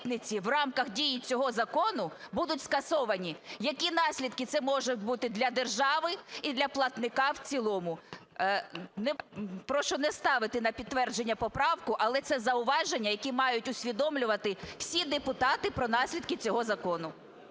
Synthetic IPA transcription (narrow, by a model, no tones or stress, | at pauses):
t̪nɪt͡sʲiwrɑmkɐxdʲijit͡sʲɔɦɔzɐkɔnʊ | bud̪ʊtʲskɐsɔʋɐnʲijɐkʲinɑsʲlʲid̪kɪt̪sɛmɔʒʊtʲbut̪ɪd̪lʲɐd̪erʒɑʋɪid̪lʲɐplˠɐt̪nɪkɑwt͡sʲilˠɔmʊ | nɛpɾɔʃɔnɛst̪ɑʋɪt̪ɪnɐpʲid̪̚t̪ʋɛrd͡ʒe̞nʲːɐpɔpɾɑwkʊʔɐlˠɛt̪sɛzɐʊʋɑʒenʲːɐjɐkʲimɑjʊtʲʊsʲʋʲid̪ɔmlʲʊʋɐt̪ɪw̥sʲid̪epʊt̪ɑt̪ɪpɾɔnɑsʲlʲid̪kɪt͡sʲɔɦɔzɐkɔnʊ